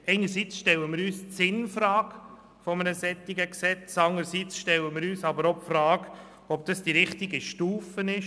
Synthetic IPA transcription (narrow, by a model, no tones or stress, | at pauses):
ɛɪnəɾsit͡sʃtɛləmɪɾyːst͡sɪnfɾɑːk | fɔmənəsɛt̪ːiɡəksɛt͡sɑŋəɾsit͡sʃtɛləmɪɾyːsɑbəɾɔpfɾɑːɡ | ɔp̚d̥ɑsd̥iɾɪχtiɡiʃtuːfənɪʃ